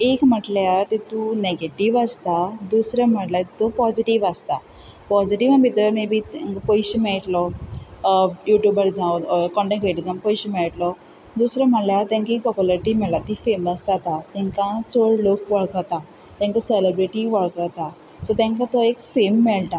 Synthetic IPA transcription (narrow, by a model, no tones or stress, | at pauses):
ekm̤əʈljat̪it̪uneɡeʈiʋəst̪ad̪usɾam̤əʈlat̪it̪ɔpɔd͡ʑiʈiʋəst̪a | pɔd͡ziʈiʋabʱit̪əmebit̪ŋkpɔjɕmeɭʈlɔ | juʈjubəɾd͡zãwkɔ̃ɳʈẽkɾeʈid͡zəmpɔjɕəmeɭʈlɔ | d̪usɾam̤əɳljat̪ãŋkik̚pɔpjuləɾʈimɛɭlat̪ifeməsd͡zat̪at̪ɛ̃ŋkãsoɭlokʋəɭkət̪a | t̪jãŋkaseləbɾiʈiʋəɭkət̪a | sɔt̪ãŋkãt̪ɔekfemːɛɭt̪a